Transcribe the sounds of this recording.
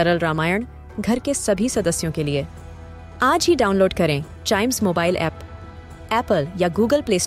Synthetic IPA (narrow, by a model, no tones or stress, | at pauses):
ɐɾəlɾaːmaːjəɳ̃ | ɡʱɐɾkesɐbʱisɐd̪əsːjõkelie | aːd͡ʒɦiɖaːʊ̃nloːɖkɐɾẽ | ʈaːɪmzmoːbaːɪlʔɛ̰ːp | ɛːpəljaɡuːɡəlpleːs